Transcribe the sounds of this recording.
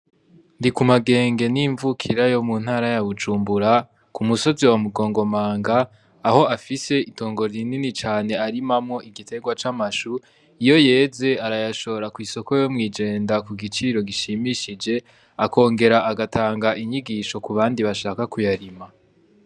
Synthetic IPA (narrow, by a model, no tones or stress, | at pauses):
ndikumaɡe̞ːŋɡe̞niɱvukʰiɾajo̞muːn̥haːɾajaβud͡ʒuːmbuɾa | kumuso̞ziwamuɡo̞ːŋɡo̞maːŋɡaː | ho̞afise̞ito̞ːŋɡo̞ɾininit͡ʃaːne̞aɾimamŋo̞ʔiɡitʰe̞ɡwat͡ʃamaʃu | ijo̞je̞ːze̞aɾajaʃo̞ɾakwiːso̞ko̞jo̞mŋiːd͡ʒe̞ːndakuɡit͡ʃiɾo̞ɡiʃimiʃid͡ʒe̞ | ako̞ːŋɡe̞ɾaʔaɡatʰaːŋɡaʔiɲiɡiːʃo̞kuβaːndiβaʃaːkakujaɾima